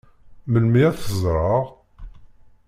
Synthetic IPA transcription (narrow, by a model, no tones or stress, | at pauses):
məlmiæθəzˤɾˤəʁ